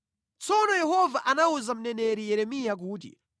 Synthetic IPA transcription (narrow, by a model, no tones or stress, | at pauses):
t͡sɔnɔjɛɦɔvaʔanauzam̩nɛnɛɾijɛɾɛmijak̬uːt̬ḭ